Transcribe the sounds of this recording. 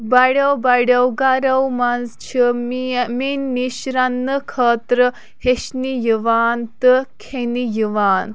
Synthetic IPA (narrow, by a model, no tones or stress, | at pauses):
baɽɐwbaɽɐwɡaɾɐwmanzt͡ʃʰiminːiɕɾanːəkʰəːt̪ɾə | heɕnijiʋaːnt̪ɨkʰenijiʋaːn